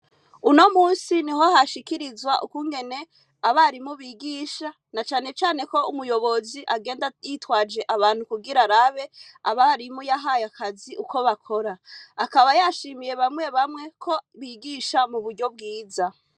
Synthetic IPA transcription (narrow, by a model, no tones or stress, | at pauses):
uno̞muːnsiniɦo̞haʃikiɾizwaʔukuŋɡe̞ne̞ | aβaɾimuβiɡiːʃa | nat͡ʃaːne̞t͡ʃaːne̞ko̞umujo̞βo̞ziʔaɡe̞ːndajitwaːd͡ʒe̞ʔaβaːn̥hukuɡiɾaɾaβe̞aβaɾimujaɦajakaziʔuko̞βakʰo̞ɾaːkaβajaʃiːmije̞βamŋe̞βamŋe̞kʰo̞βiɡiːʃamuβudɟo̞b̚ɡiːza